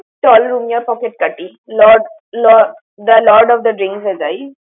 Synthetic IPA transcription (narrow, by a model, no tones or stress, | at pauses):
ʈɔːlɾumjapɔːkeʈ̚kɐʈːi | lɔːɖ | lɔː | d̪əlɔːɖɔːʋd̪əɖɾɪ̃ŋksɛd͡ʒai